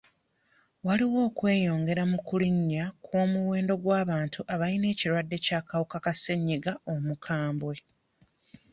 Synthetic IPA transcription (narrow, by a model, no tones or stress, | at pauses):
waliwo̞ːkwe̞ːjo̞ːŋɡe̞ɾamukuliɲːakwo̞ːmuwe̞ːndo̞ɡwaːβaːntʰuʔaβaline̞ːciɾwadːe̞caːkawukakaseɲːiɡaomukʰaːmbwe̞